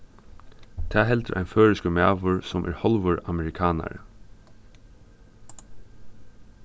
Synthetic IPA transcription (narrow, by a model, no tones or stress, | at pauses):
t̪ʰɛːɦɛlt̪əʔa̰ɪnføːɹɪskəmæːʋʊɹsɔmʔæ̰ɹhɔlʋʊɹamɛɹɪkʰɑːna̰ɹə̰